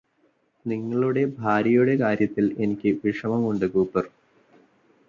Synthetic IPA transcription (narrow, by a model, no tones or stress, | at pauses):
niŋːɐɭuɽe̞bʱaːɾɐjuɽe̞kaːɾjɐt̪ːile̞nikʲːɨʋiʂɐmɐmuɳɖɨkuːpːɨr